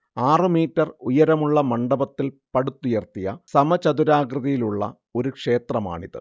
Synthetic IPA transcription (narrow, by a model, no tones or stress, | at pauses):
aːrɨmiːtːɐrujɐɾɐmuɭːɐmɐɳɖɐbɐt̪ːilpɐɽut̪ːujɐrt̪ijɐ̰sɐmɐt͡ɕɐd̪uɾaːɡrɨðɐjiluɭːɐ̰ | o̞ɾukʂe̞ːt̪rɐma̰ːɳiðɨ̰